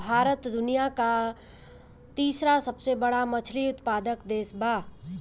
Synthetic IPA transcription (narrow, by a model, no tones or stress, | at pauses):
bʱaːɾət̪d̪ʊnijaka | t̪iːsɾasəbsebəɽamət͡ʃʰliʊt̪paːd̪əkd̪eːsbaː